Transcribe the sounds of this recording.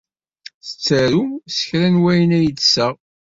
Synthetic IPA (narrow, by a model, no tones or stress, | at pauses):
θə̥t͡sːæɾumsə̥çɾænwæjənæjət͡sːsəʁ